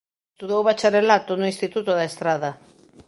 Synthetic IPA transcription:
t̪uðowβat͡ʃaɾelat̪ʊnʊĩst̪it̪ut̪ʊðaest̪ɾaðɐ

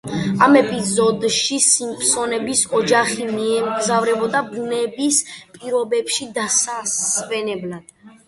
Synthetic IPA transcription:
amɛpʼizɔd̪ʃisimpʰsɔnɛbisɔd͡ʒaχimiɛmɡzavɾɛbɔd̪abunɛbispʼiɾɔbɛpʃid̪asasvɛnɛblad̪̥

